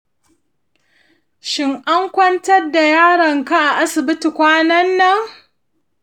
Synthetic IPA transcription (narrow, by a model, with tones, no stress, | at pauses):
ʃɪ˦ŋʔa˦ŋkʷɐ˦ntɐ˦da˨jaː˦ɽɐ˨ŋka˦ʔa˨ʔa˦sɪ˨bɪ˦ti˨kʷaː˦nɐ˦nːɐ˦ŋ